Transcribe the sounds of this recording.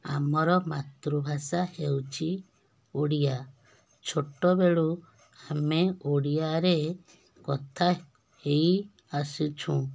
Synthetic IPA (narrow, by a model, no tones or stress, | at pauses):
a̰mɔɾɔmat̪ɾubʱasahewt͡ʃʰi | oɽija | t͡ʃʰoʈɔbeɭu | ameoɽiaɾe | kɔt̪ʰa | hej | asut͡ʃʰũ